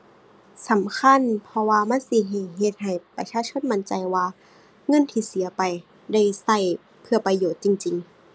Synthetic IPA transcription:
sa˨˦mkʰa˧˥˨npʰɔ˧waː˧ma˧˥˨nsi˧˩ɦa˧˩jɦe˧t̪̚ɦa˨˩jpa̰˧t͡ɕʰaː˧˥˨t͡ɕʰo˧˥˨nma˧˥˨nt͡ɕa˨jwaː˧ | ŋɤ˧˥˨nt̪ʰiː˧si˨˦ɐpa˨˩j | da˧˥˩jsa˧˩j | pʰɯ˧ɐpa˧joː˧˩t̪̚t͡ɕi˧˨ŋt͡ɕi˨ŋ

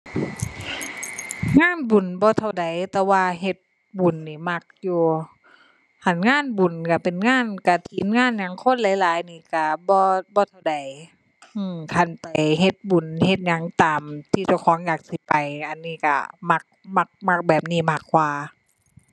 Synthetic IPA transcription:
ŋaː˧˥˨nbu˨˩nbɔː˧˦t̪ʰa˧wda˨˩jt̪ɛː˧waː˧ɦe˧˩t̪̚ | bu˨˩nːiː˧˩ma˧˩k̚juː˧ | ha˧˩˨nŋaː˧˥˨nbu˨˩nka˧˩pe˨˩nŋaː˧˥˨nka˧˩t̪ʰiː˨˦nŋaː˧˥˨nɲa˨˧˦ŋkʰo˧˥˨nlaː˨˦jlaː˨˦jniː˧˩ka˧˩bɔː˧bɔː˧˦t̪ʰa˧˩wda˨˦j | ʔɯː˧˩mkʰa˧˩˨npa˨jɦe˧t̪̚bu˨˩nhe˧t̪̚ɲa˧˦ŋt̪aː˨mt̪ʰiː˧t͡ɕa˧˩wkʰɔː˨˦ŋjaː˧˩k̚si˧˦pa˨˩jʔa˨˩nːiː˧˨ka̰˧˩ma˧˩k̚ma˧˩k̚ma˧k̚bɛː˨˩p̚niː˧˩maː˧˩kʰːwaː˧

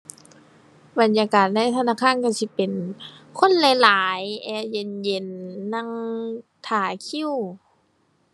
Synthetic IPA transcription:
ba˨˦njaː˧kaː˨˩t̪̚na˧˥˨jt̪ʰa˧naː˧˥˨kʰaː˧˥˨nka˧˩si˧˦pe˨nkʰo˧˥˨nla˨˧˦jlaː˨˦jʔɛː˧je˧nje˧˩nːa˧˥˨ŋt̪ʰaː˨˩kʰi˧˥˨w

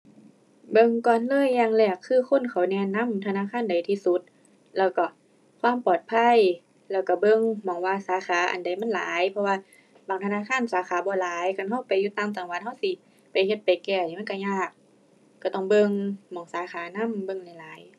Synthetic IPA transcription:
bɤ˧˨ŋkɔː˧˨nlɤː˧˨jːaː˧˨ŋlɛː˧˩kʰːɯː˧˨kʰo˧˥˨nkʰa˨˩wnɛː˧na˧˥˨mt̪ʰa˧naː˧˥˨kʰaː˧˥˨nda˨˩jt̪ʰiː˧su˧˦t̪̚ | lɛː˧˩wkɔ˧˩ | kʰwaː˧˥˨mpɔː˨˩t̪̚pʰa˧˥˨j | lɛː˧˩wka˧˩bɤ˧˨ŋmɔː˨˦ŋwaː˧saː˨˦xʰaː˨˦ʔa̰˨˩nda˨˩jma˧˥˨nla̰ː˨˦jpʰɔ˧waː˧ | baː˨˩˦ŋt̪ʰa˧naː˧˥˨kʰaː˧˥˨nsaː˨˦xaː˨˦bɔː˧˦laː˨˦jkʰa˧˨nɦa˧˩˨wpa˨jːuː˧˦t̪aː˧˥˨mt̪a˨˦ŋwa˧˦n̚ha˧˨wsi˧˦ | pa˨˩jhe˧t̪̚pa˨jkɛː˧˩˨ma˧˥˨ka˧˩ɲaː˧˩k̚ː | a˧˩t̪ɔ˧˩ŋbɤ˧ŋmɔː˨˦ŋsaː˨˦xaː˨˦na˧˥˨mbɤ˧˨ŋla˧˩jlaː˨˦j

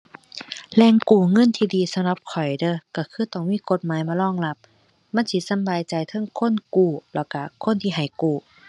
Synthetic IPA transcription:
lɛː˧˩ŋkuː˨˩ŋɤ˧˥˨nt̪ʰiː˧diː˧sa˧mla˧p̚kʰɔ˨˩jdɤː˧˩˨ka˧˩kʰɯː˧˩t̪ɔ˧˩ŋmiː˧˥˨ko˧˥t̪̚maː˨˦jmaː˧˦lɔː˧˥˨ŋla˧˥p̚ | ma˧˥˨sʰiː˧˥sa˧˦mbaː˧˨jt͡ɕa˨jt̪ʰɤ˧˥˨ŋkʰo˧˥˨nkuː˧˩lɔ˧˩ka˧˩kʰo˧˥˨nt̪ʰiː˧˨ɦa˨˩jkuː˨˩

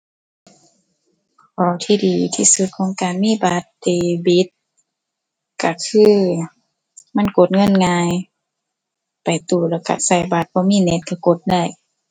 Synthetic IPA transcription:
kʰɔː˨˧˦t̪ʰiː˧diː˨˩t̪ʰiː˧˩su˧t̪̚kʰɔː˨˦ŋkaː˨nmiː˧˥˨baː˧˦t̪̚deː˨˩bi˧˦t̪̚ | ka˧˩kʰɯː˧˥˩ | ma˧˥˨nko˧˦t̪̚ŋɤ˧˥˨nŋaː˧j | pa˨˩jt̪uː˨˩lɛː˧˩wka̰˧˩sa˧˩jbaː˧˦t̪̚bɔː˧˦miː˧˥˨ne˧˦t̪̚ka˧˩ko˧˦t̪̚da˧˩j

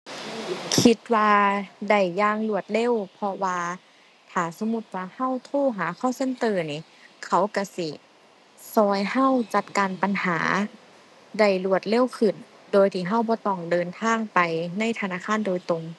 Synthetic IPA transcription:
kʰi˧˦t̪̚waː˧da˧˩jːaː˧˥˨ŋlu˧˩ət̪̚le˧˥˨wpʰɔ˧waː˧ | t̪ʰaː˨˩so˧˦mu˧˥t̪̚waː˧ha˧˥˨wt̪ʰoː˧˥˩ɦaː˨˦kʰɔː˧˥˩wse˧˥˨nt̪ɤː˧˩niː˧˩ | kʰa˧˩wka˧˩si˧˩ | sɔː˧jha˧˥˨wt͡ɕa˧t̪̚kaː˨npa˨nhaː˩˦ | da˧˩jlu˧˩ət̪̚le˧˥˨wkʰɯ˧˩n | doː˨˧jt̪ʰiː˧˩ɦa˧˥˩wbɔː˧˦t̪ɔː˧˩ŋdɤː˨˧nt̪ʰaː˧˥˨ŋpa˨jna˧˥˨jt̪ʰa˧naː˧˥˨kʰaː˧˥˨ndoː˨jt̪o˨˧ŋ

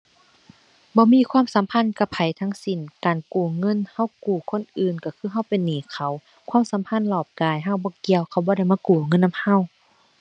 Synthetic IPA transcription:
bɔː˧˦miː˧˥˨kʰwaː˧˥˨msa˨˦mpʰa˧˥˨nka˧˩pʰa˨˩jt̪ʰa˧˥ŋsi˨˩nkaː˨nkuː˨˩ŋɤ˧˥˨nha˧˥˨wkuː˨˩kʰo˧˥˨nʔɯː˨˩nka˧˩kʰɯː˧˥˨ɦa˧˥˨wpe˨nːiː˨˩kʰa˧˩w | kʰwaː˧˥˨msa˨˦mpʰa˧˥˨nlɔː˧˩p̚kaː˨˩jɦa˧˥˨wbɔː˧˦ki˧˨əwkʰa˧˩wbɔː˧˦ɾa˧˩˨jmaː˧˨kuː˨˩ŋɤ˧˥˨nːa˧˥˨mha˧˥˨w

